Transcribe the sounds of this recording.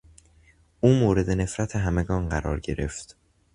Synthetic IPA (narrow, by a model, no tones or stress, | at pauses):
ʔuːmoːɾe̞d̪e̞ne̞fɾæt̪ʰeɦæme̞ɡɒːnɢæɾɒ̰ːɾɟe̞ɾe̞̰ft̪